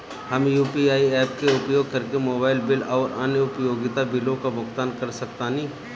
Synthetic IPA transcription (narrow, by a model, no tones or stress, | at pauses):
hɐmjuːpiaːiɛːp̚keʊpjoːɡ̚kɐɾkemoːbaːɪlbɪlɔːɾə̰nəʊpjoːɡɪt̪abɪlõkabʊkt̪aːnkɐɾsɐkt̪anĩː